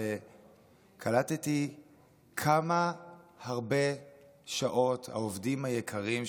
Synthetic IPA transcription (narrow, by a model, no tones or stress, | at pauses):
e | kʰalateti | kʰamahaʁbe̞ | ʃaʔo̞tha̰ovdimhajekʰaʁim